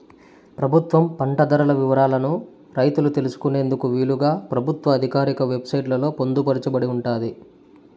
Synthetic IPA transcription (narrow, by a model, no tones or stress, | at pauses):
pɾɐbʱut̪ʋɐmpɐɳʈɐd̪ɐɾɐlɐʋiʋɐɾaːlɐnu | ɾɐjt̪ulut̪e̞lusu̥kune̞ːnd̪ukuʋiːɭuɡaːpɾɐbʱut̪ʋɐːd̪ʱikaːɾikɐʋe̞bsɐjʈlɐlo̞ːpond̪upɐɾit͡ʃɐbɐɽiuɳʈaːd̪i